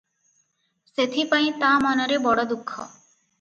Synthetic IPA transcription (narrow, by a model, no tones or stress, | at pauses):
set̪ʰipaj̃t̪amɔnɔɾebɔɽɔd̪ukʰːɔ̰